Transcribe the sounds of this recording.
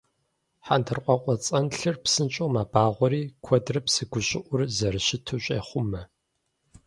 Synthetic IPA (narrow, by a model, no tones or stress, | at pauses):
ħandʰɨrqʷʼɑqʷʼɔt͡sʼɐnɬɨrpsɨnt͡ʃʼowmaːbaːʁʷɔɾiːkʷʰɔdrɐpsɨɡʷʊɕʼɪʔʷʊrzɐrɨɕɪtʰuːɕʼeːχʷʊmɐ